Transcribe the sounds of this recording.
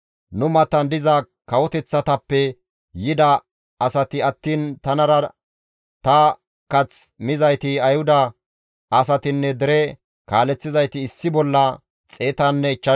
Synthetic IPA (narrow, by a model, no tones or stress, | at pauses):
nʊmɐt̪ɐnd̪ɪzɐ | kɐwɔt̪ɛt͡sːɐt̪ɐpːɛ | jɪd̪ɐː | sɐt̪ɪɐt̪ːiːnt̪ɐnɐɾɐ | t̪ɐ | kɐt͡smɪzɐjt̪ɪɐjhʊd̪ɐ | ʔɐsɐt̪ɪnːɛd̪ɛɾɛ | kaːlɛt͡sːɪzɐjt̪ɪːsːɪbɔlːɐ | t͡sʼe̞ːt̪anːɛɪt͡ʃːɐ